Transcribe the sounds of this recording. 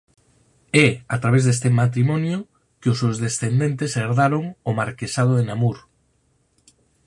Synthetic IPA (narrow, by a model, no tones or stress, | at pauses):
ɛat̪ɾaβ̞ezðest̪emat̪̬ɾimɔnjo | keʊsewzðesθend̪ent̪eseɾðaɾoŋomaɾkesað̞oðenamuɾ